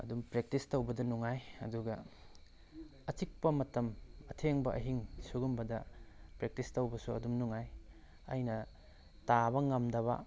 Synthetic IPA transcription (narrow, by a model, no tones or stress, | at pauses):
ɐ̰dumpɾek̚tistowbɐdɐnuŋajɐ̰duɡɐ | ɐt͡ʃik̚pɐmɐtɐmɐtʰeŋbɐʔɐ̰ɦiŋsuɡumbɐdɐpɾek̚tistowbɐsuɐ̰dumnuŋaj | ɐ̰jnɐ | tabɐŋɐmdɐβɐ̰